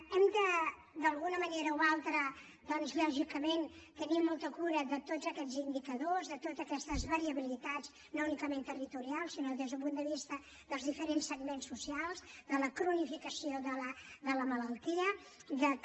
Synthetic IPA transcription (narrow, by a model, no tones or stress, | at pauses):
ɛmd̪ə | d̪əlˠɣunəməneɾəualˠt̪ɾə | ðɔnzʎɔʒikəment̪ənimːɔlˠt̪əkuɾəðət̪od͡zəkɛd͡zind̪ikəðozðət̪od͡zəkɛst̪əzβəɾiəβilit̪ad͡z | nounikəment̪ərit̪uɾialˠsinoðezðəlp̬und̪əβist̪ə | ðəlˠzðifəɾensəɡmensusialˠzðələkɾunifikəsioðələðələmələlˠt̪iə | ðə